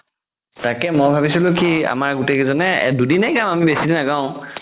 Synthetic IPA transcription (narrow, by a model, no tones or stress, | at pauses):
takɛmojbʱabisilʊ̃kʰia̰maɹɡutekɛzɔnɛ̰dudinɛjkamamibesidinazãʊ̃